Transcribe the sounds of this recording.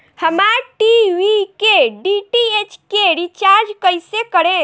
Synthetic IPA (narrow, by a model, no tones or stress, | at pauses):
həmaɾʈiʋikeɖiʈiet͡ʃkeɾit͡ʃaɾd͡ʒkəjsekəɾẽ